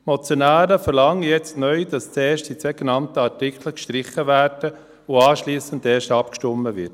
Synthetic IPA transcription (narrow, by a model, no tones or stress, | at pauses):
mɔt͡sjonæːɾəfɛɾlɑŋəjɛt͡stnœʏdɑst͡seːʃtd̥iseɡenɑntəɑrtɪkʰləkʃtɾɪχəvæːɾd̥ə | ʊɑːʃliːsəndeːʃtɑpkʃtɔmːəvɪt